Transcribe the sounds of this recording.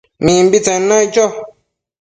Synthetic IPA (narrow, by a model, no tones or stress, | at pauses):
mĩmbit͡sɛ̃nːãit͡ʃɔ